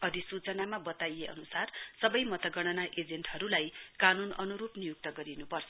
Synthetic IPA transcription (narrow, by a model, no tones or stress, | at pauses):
ʌɾisut͡sʌnamabʌt̪ajeʌ̰nusarsʌbʌjmʌt̪ʌɡʌɽ̃ʌnaʔed͡zenʈɦʌɾulajkanunʌnuɾupnijuk̚t̪ʌɡʌɾinupʌrt͡sʰʌ